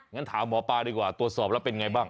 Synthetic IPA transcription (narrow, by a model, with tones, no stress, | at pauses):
ŋa˦˥nt̪ʰaː˩˦mːɔː˩˦paː˧diː˧kwaː˨˩t̪u˨˩ət̪̚sɔː˨˩p̚lɛ˦˥wpe˧nŋa˧jbaː˥˩ŋ